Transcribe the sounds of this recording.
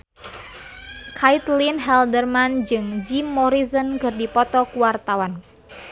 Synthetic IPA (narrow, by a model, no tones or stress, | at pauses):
kʰait̪linɦɛldərmand͡ʒɨŋd͡ʒimːɔɾizənkɨrdipɔt̪ɔkuwart̪awan